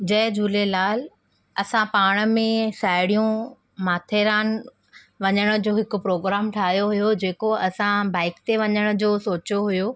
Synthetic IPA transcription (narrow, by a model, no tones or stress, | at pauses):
d͡ʑɐɦɪd͡ʑuːlelaːl | ɐsãpaːɽ̃ə̆mẽsaːɪɽijũ | maːt̪ʰeɾaːn | ʋɐɲəɽ̃ʊ̆d͡ʑoːɦɪkʊ̆pɾoːɡɾaːmʈʰaːɦijoɦʊjod͡ʑeːkoɐsãbaːɪkt̪eʋɐɲəɽ̃ə̆d͡ʑoːsoːt͡ɕoɦujoː